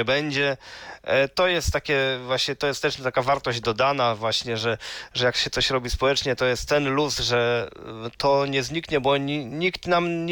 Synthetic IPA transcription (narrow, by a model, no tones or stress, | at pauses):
ɛbɛɲd͡ʑɛ | t̪ɔjɛst̪ːakʲɛvwaɕɲɛt̪ɔjɛst̪ɛʂmit̪akavaɾt̪ɔʑd͡ʑd̪ɔd̪anavwaɕɲɛʐɛʐɛjakɕɛt̪sɔɕɾɔbʲispɔwɛt͡ʂɲɛt̪ɔjɛst̪ːɛnlusʐɛ | t̪ɔɲɛzɲikɲɛbɔɲiɲikt̪namɲ